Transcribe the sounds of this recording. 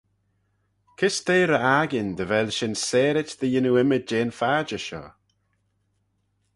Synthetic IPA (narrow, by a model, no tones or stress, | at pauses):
kʰɪsd̪eːɾəaɡɪnd̪əvɛlʃɪnsɛːɾɪtd̪əjɪnuɪmɪd͡ʒeːnfaːd͡ʒəʃɔ̰